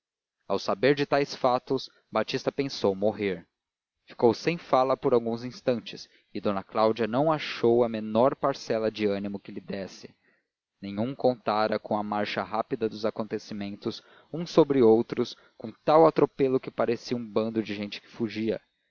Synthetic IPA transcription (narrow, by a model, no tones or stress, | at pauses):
awsabeɾd͡ʒɪt̪ajsfat̪ʊs | bat͡ʃist̪ɐpẽsowmoɦeɾ | fi̥kowsẽj̃falɐpoɾawɡũzĩst̪ɐ̃nt͡ʃɪ̥s | ɪd̪õnɐklawd͡ʒiɐnɐ̃w̃aʃowɐmenɔɾpaɾsɛlɐd͡ʒɪɐ̃nimʊkɪlɪd̪ɛsɪ̥ | nẽj̃ũŋkõnt̪aɾɐkõw̃ɐmaɾʃɐɦapid̪ɐd̪ʊzakõnt̪esimẽnt̪ʊs | ũsobɾɪowt̪ɾʊs | kõt̪awat̪ɾopelʊkɪpaɾesiũbɐ̃nd̪ʊd͡ʒɪʒẽj̃t͡ʃɪ̥kɪ̥fuʒiɐ̰